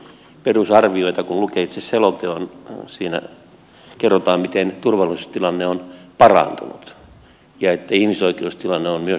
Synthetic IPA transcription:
perusɑrʋioit̪ɑkunlukeit̪seselot̪eonsiːnæ̰ | kerːot̪ɑːmmit̪ent̪urʋɑlisst̪ilɑnːeonpɑrɑ̰nt̪ṵnṵt̪ | jɑet̪ːæihmisoikeust̪ilɑnːeonmyø

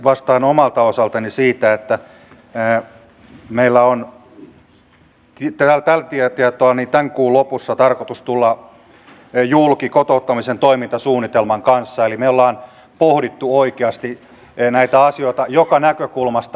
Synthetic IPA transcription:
ʋɑst̪ɑːnomɑlt̪ɑosɑlt̪ɑnisiːt̪æet̪ːæ | meilːæon | t̪it̪ælt̪ælt̪iet̪iet̪oɑnit̪æŋkuːlopusːɑt̪ɑrkot̪ust̪ulːɑ | julkikot̪out̪ːɑmisent̪oimint̪ɑsuːnːit̪elmɑŋkɑnsːɑelimeolːɑːn | pohɾit̪ːuoikeɑst̪i | næit̪æɑsioit̪ɑjokɑnækøkulmɑst̪

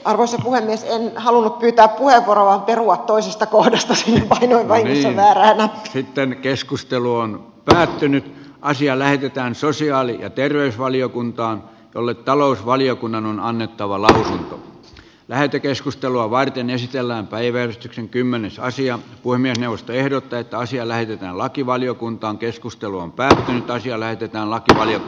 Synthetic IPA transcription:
ʔɑrʋoisɑpuhemːiesenhɑlunːuppyːt̪æːppuheʋːuoroʋɑmperuɑt̪t̪oisest̪ɑkohdɑst̪ɑsiːnːepɑinoiʋʋɑiŋnisːɑʋæːræːnɑ̥sit̪ːenkeskust̪eluon | pæːt̪ːynyt̪ʔɑsiɑlæhet̪et̪æːnsosiɑːlijɑ̰t̪erʋeysʋɑliokunt̪ɑːn | jo̰lːet̪t̪ɑlousʋɑliokunːɑnonɑnːet̪ːɑʋɑlɑusunt̪o̰ | læhet̪ːekeskust̪eluɑʋɑrt̪enesit̪elːæːmpæiʋærest̪ykseŋkymːenesɑsiɑpuhemːiesneuʋost̪oehdot̪ːɑet̪ːæɑsiɑlæhet̪et̪æːnlɑkiʋɑliokunt̪ɑːŋkeskust̪eluompæːt̪ːynyt̪ɑsiɑlæhet̪et̪æːnlɑkiʋɑlio

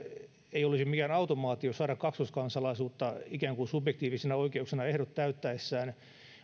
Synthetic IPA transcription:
eiolisimikæːnɑut̪omɑːt̪iosɑːɾɑkkɑksuskɑnsɑlɑisuːt̪ːɑikæːŋkunsubjekt̪iːʋisenɑoikeuksenɑehɾot̪ːæyt̪ːæesːæːn

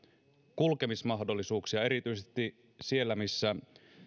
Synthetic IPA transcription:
kulke̞mismɑɦdo̞lːˑisuːksiɑe̞ɾit̪yjsest̪i | sie̞lːæmisːæ

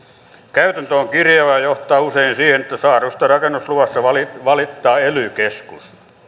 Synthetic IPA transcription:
kæyt̪ænt̪øoŋkirjɑʋɑjoht̪ˑɑːuseinsiːhenet̪ːæsɑːrust̪ɑrɑkenːusluʋɑst̪ɑʋɑliʋɑlit̪ːɑːelykeskus

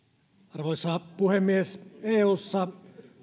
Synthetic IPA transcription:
ɑrʋoisːˑɑpuhemːieseːuːsːɑ

